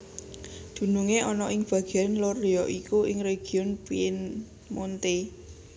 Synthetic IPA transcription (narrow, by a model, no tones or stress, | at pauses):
d̪̥ṳnuŋeʔɔnɔʔɪŋb̥a̤ɡ̥ɛnloriɔʔikuɪŋɾeɡ̥iʊnpiɪn | mont̪e